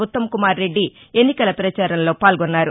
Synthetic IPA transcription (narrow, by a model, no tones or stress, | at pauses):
ut̪ːɐmkumaːɾːe̞ɖːie̞nːikɐlɐpɾɐt͡ʃaːɾɐmlo̞ːpaːlɡɔnːaːɾu